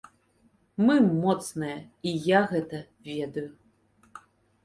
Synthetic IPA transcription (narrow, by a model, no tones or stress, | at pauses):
mɨmɔt̪snɐjɛijaɣɛt̪ɐ | vʲɛd̪ɐju